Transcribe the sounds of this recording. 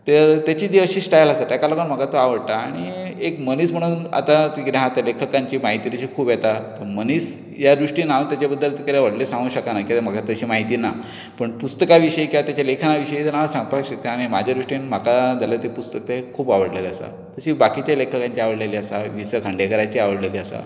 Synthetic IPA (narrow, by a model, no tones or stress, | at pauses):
t̪əɾt̪jat͡ɕiːd̪iəɕiːsʈajlasat̪jakalakənm̤əɡat̪oaʋəɽt̪aːɽ̃iekməniːsm̤əɽ̃uːna̰t̪at̪ikɾaɦãt̪jalekʰəkaɲt͡ɕiːmaɦit̪iːt̪əɕiːkʰuːbjet̪at̪əɾməniːs | jaɾuʂʈiːnaut̪jat͡ɕabəd̪ːəlt̪ikəɾeʋəɽlesãŋɡuːɕəkanakim̤əɡat̪əɕiːmaɦit̪iːna | pəɳpust̪əkaʋiɕəikiat̪jat͡ɕalekʰanaʋiɕəit̪anaʋasãŋɡpakɕət̪kəanimad͡ʑʱaɾuʂʈinm̤akad͡zaljat̪epust̪ək̚t̪ekʰuːbaʋəɽleleasa̰ | t̪əɕiːbakit͡ɕjalekʰəkãɲt͡ɕiaʋəɽleliːasaʋisəkʰəɳɖjekəɾajt͡ɕiaʋəɽleliːasa̰